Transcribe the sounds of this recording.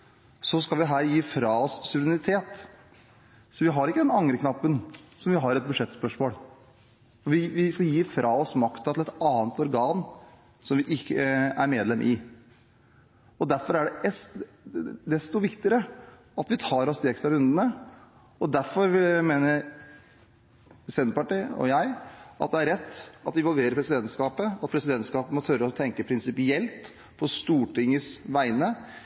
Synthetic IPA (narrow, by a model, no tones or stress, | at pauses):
sɔskɑlʋɪɦæːɾjiːfɾɑːɔsːʉʋɾɛnɪt̪ʰeːt̪ | sɔʋɪɦɑɾɪkːəd̪ɛnɑŋɾəkʰnɑpːənsɔmʋɪɦɑɾɛt̪̚bʉʂɛt̪ːspœʂmoːl | fɔʋɪʋɪskɑljiːfɾʔɑːɔsmɑkt̪ɑt̪ʰɪlɛt̪ɑːnət̪ɔɾɡɑːn | sɔmʋɪʔɪkːəæɾmeːd̪lɛmʔɪ | ɔd̪æɾfɔɾæɖɛɛs | d̪ɛst̪ɔʋɪkt̪ɪɾə | ɑt̪ʋɪt̪ʰɑːɾɔsd̪ɪɛkst̪ɾɑɾʉnd̪ənə | ɔd̪æɾfɔɾʋɪmeːnə | sɛnd̪əpɑʈiːɔ̰jæɪɑt̪̚d̪ɛæɾɛt̪ːɑt̪ʋɪnʋɔlˠʋeːɾəɾpʰɾɛsɪd̪ɛnt̪skɑːpəɑt̪̚pʰɾɛsɪd̪ɛnt̪skɑːpəmɔt̪ʰœɾəɔt̪ʰɛŋkəpʰɾɪnsɪpɪɛlt̪ | pʰɔst̪uːʈɪŋːəsʋæɪnə